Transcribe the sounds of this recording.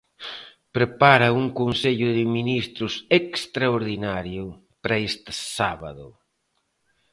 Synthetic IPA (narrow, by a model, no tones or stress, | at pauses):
pɾepaɾɐuŋkonseʎʊðɪminist̪ɾʊsekst̪ɾaoɾðinaɾjʊ | pɾɐest̪ɪsaβɐ̰ðʊ̰